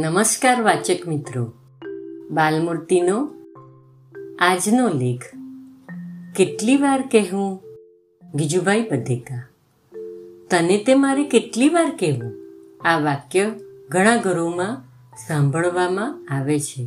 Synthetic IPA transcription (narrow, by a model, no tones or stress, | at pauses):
nəməskaɾʋat͡ʃəkmɪt̪ɾo | balmuɾt̪ino | ad͡ʒnolekʰ | keʈliʋaɾkɛɦũ | ɡid͡ʒubʱaipəd̪ʱeka | t̪ənet̪emaɾekeʈliʋaɾkɛɦʋũaʋakjəɡʱəɽ̃ãɡʱəɾomã | sãmbʱəɭʋamãaʋet͡ʃʰe